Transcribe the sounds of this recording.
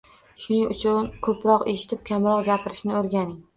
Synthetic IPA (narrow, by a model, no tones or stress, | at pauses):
ʃʊnɪŋʊt͡ʃʰʊnkʰɵpʰɾɒqe̞ʃɪ̥t̪ʰɪp̚kʲʰamɾɒqɡʲapʰɪɾɪʃnɪoɾɡʲanɪŋ